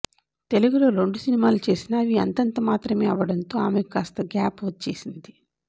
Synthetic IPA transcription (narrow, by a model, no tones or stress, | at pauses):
t̪e̞luɡulo̞ːɾo̞ɳɖusinimaːlut͡ʃe̞ːsinaːʋiːɐnt̪ɐnt̪ɐmaːt̪ɾɐme̞ːɐʋɐɽɐnt̪o̞ːaːmekaːst̪ɐɡaːpot̪ːt͡ʃe̞ːsind̪i